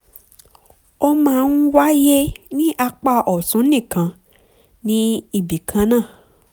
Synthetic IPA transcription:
o˦mãː˦˧n̩˦wa˦je˦nĩ˦ʔa˧k͡pa˦˧ʔɔ˨sũ˨˦nĩ˦˨kã˧ | nĩ˦i˦˨bi˨kʰã˧˦nãː˦˨

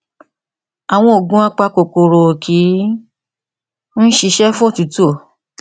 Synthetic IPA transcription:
a˨w̃ɔ̃˧o˨ɡũ˦a˧k͡pa˧ko˨ko˨ɾo˨kʰi˨˦ | n̩˦ʃi˧ʃɛ˦fũ˦o˦˨tu˨˦tu˦o˦˨

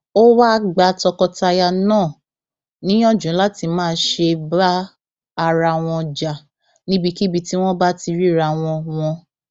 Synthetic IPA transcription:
o˦wa˦ɡ͡ba˧tɔ˧kɔ˧ta˧ja˧nãː˦˨ | nĩ˦ɔ̃˦d͡ʒũ˨˦la˦ti˧mãː˦˨˦ʃe˧baː˦˧ | ɾa˧w̃ɔ̃˧d͡ʒa˨ | nĩ˦bi˧ki˦bi˧ti˦w̃ɔ̃˦ba˦ti˧ɾi˦˨ɾa˧w̃ɔ̃˧w̃ɔ̃˧

